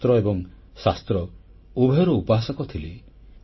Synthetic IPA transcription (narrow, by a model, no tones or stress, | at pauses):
t̪ɾɔebɔŋ | sast̪ɾɔ | ubʱeɔɾuupɔɦasɔkɔt̪ʰili